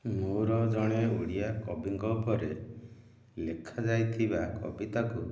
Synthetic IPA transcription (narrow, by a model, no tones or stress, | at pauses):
muɾɔd͡ʒɔɽ̃euɽiakɔbiŋɡɔbʱɔɾe | lekʰad͡ʒajt̪ʰibakʰɔ̰bit̪aku